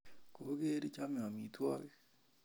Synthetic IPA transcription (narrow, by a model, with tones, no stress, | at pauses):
ko˨˦ɡe˦ɾi˦t͡ʃa˦m˨a˨mi˨twa̰˦ke˦